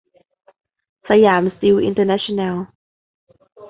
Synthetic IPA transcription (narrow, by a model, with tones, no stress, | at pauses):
sa˧jaː˩˦msti˧wʔḭ˧ntʰə˧na˦˥ʃo˧na˧lˠ